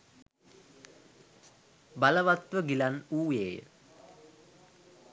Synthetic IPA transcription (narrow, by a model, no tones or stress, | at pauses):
baləʋat̪ʋəɡilanuːjeːjə̰